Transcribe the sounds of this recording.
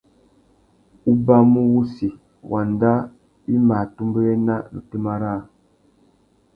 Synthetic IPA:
u˦ba˦mu˦wu˦si˨ | wʔa˨nda˦ | i˦ma˨tu˦mbə˦ɾe˦na˦nṵ˨te˦ma˦ɾa˦˨

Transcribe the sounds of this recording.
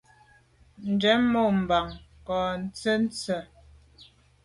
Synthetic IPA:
n̩˨d͡ʒɛ˨˦mo˦˨m̩˨ba˨ŋkɔ˨n̩˨t͡sə˦n̩˦t͡sə˨

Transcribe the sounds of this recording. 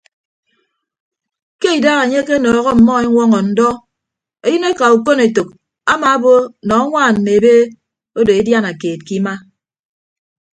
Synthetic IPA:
ke˦i˨daː˦ɣa˨ɲe˦ke˦nɔː˨ɣɔ˦m̩˨mɔ˦e˦ŋʷɔ˦ŋɔ˨n̩˦dɔ˦ | e˦ji˦ne˦ka˨u˨ko˦ne˨to˨k̚ | a˦ma˨a˦bo˦nɔ˨a˦ŋʷaː˦˨n̩˨ne˨be˦ | o˦de˨e˦dja˦na˨keː˨t̚ki˦ma˦

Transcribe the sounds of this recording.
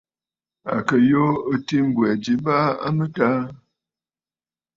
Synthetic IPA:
a̰˨kə˨jo˦ə˦ti˦m̩˦bwɛ˨d͡ʒi˨ba˦a̰˦mə˦ta˦

